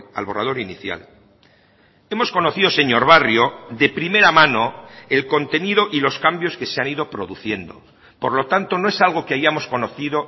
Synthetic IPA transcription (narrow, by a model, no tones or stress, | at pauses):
a̰lβo̞raðo̞ɾiniθja̰l | e̞mo̞sko̞no̞θiðo̞seɲo̞ɾβarjo̞ðe̞pɾime̞ɾamãno̞e̞lko̞nt̪e̞niðo̞ʔilo̞skambjo̞ske̞seaniðo̞pɾo̞ðuθje̞nd̪o̞̰ | po̞ɾlo̞t̪ant̪o̞no̞e̞salɣ̞o̞keajamo̞sko̞no̞θiðo̞